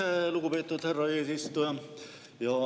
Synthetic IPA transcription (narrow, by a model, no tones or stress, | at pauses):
ælukupet̪ːut̪herːɑeːsist̪ujɑ | jɑ